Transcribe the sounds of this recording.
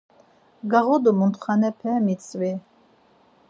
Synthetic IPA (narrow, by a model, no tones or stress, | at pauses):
ɡaʁɔd̪umunt̪ʰχanɛpʰɛːmit̪t͡sʼvi